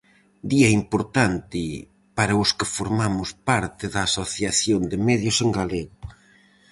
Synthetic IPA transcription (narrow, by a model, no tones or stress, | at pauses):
d̪iɐimpoɾt̪ant̪ɪ | paɾɐʊskɪfoɾmamʊspaɾt̪ɪðɐːsoθjaθjond̪ɪmɛðjʊseŋɡaleɣʊ